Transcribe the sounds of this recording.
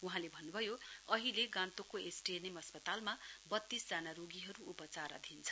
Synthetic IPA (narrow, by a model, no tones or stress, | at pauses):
uɦãlebʱʌnːubʱʌjoʌɦileɡãnt̪okoesʈienemʌspʌt̪almabʌt̪ːisd͡zanaɾoɡiɦʌɾuupʌt͡saɾʌ̰d̪ʱint͡sʰʌ̥